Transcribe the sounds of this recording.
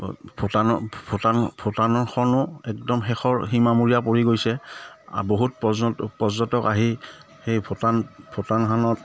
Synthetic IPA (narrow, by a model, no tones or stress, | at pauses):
botanɔbʰʱotanbʰʱotanɔɹxʰɔnʊɛk̚dɔmxɛxɔɹximamuɹijapoɹiɡojsɛa̰boɦut̚pɔpɔzɔtɔkaɦi | xejbʰʱotanbʰʱotankʰanɔt